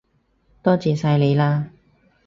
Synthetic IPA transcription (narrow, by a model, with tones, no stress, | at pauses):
t̪ɔː˥t͡siː˨sɐ˧jle˨˧jlaː˧